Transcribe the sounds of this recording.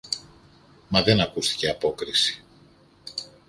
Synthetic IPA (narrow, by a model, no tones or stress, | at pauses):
mɐðe̞nɐkust̪i̥ce̞ɐpo̞kɾisi̥